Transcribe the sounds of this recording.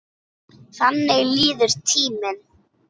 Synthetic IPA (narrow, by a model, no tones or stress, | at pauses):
θanːɪɣliːðʏɾ̥t̪ʰiːmɪn